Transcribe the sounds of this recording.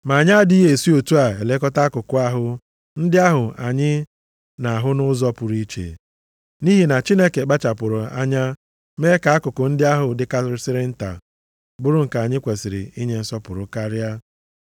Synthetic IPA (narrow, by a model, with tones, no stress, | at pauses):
ma˨a˨ɲa˦dɪ˦ɦe˨si˦o˨tu˦a˨e˨le˦kɔ˦ta˦kʊ˨kʊ˦˨a˦ɦʊ˦ | n̩˦dɪ˦a˦ɦʊ˨a˨ɲɪ˦ | na˨ɦʊ˦nʊ˦zɔ˦pʊ˨ɾi˦t͡ʃḛ˨ | ni˦ɦi˨na˨t͡ʃi˦ne˦ke˨ɡ͡ba˦t͡ʃa˨pʊ˨ɾʊ˨a̰˦ɲa˦ | me˦ka˨˦a˦kʊ˨kʊ˨n̩˦dɪ˦a˦ɦʊ˨dɪ˦ka˦sɪ˦ɾɪ˦n̩˦ta̰˨ | bʊ˦ɾʊ˦ŋ̩˨ka˨a˨ɲɪ˦kʷe˨sɪ˨ɾɪ̰˨i˦ɲe˦n̩˦sɔ˦pʊ˨ɾʊ˨ka˦ɾja˦